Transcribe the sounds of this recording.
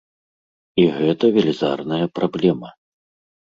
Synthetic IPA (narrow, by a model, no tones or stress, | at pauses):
iɣɛt̪ɐvʲelʲiza̰rnɐjɐpɾablʲɛmɐ